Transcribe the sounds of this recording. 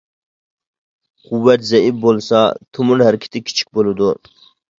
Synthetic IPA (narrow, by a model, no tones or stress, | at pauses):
qʰʊwːɛt̪zɛifbolˠsɑt̪ʰumuɾhæɾɪkʲʰɪ̥t̪ʰɪkʲʰi̥t͡ʃʰi̥k̚ʲbolˠɨd̪u